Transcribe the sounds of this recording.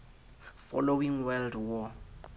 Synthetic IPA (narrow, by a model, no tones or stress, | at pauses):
fɔ̰lowiŋwɛldwɔ